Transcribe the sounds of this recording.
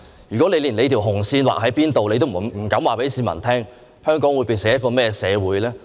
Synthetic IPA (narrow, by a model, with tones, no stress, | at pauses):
jyː˨kɔ˨˥le˧jliː˨˩nle˨˧jt̪ʰi˨˩ɦʊ˨˩ŋsiː˧nwa̰ː˨k̚hɐ˨˥jpiː˥nt̪o˨wle˧jt̪o˥m˨m̩˨˩kɐ˨˥mwaː˨pe˨˥jsiː˨˧nmɐ̰˨˩nt̪ʰɛː˥ŋ | hœː˥ŋkɔː˨˥ŋwuː˨˧jpi˨˧sɪ˨ŋjɐ˥t̚kɔː˧mɛː˥ɛ˧sɛː˨˧wuː˨˥jlɛː˥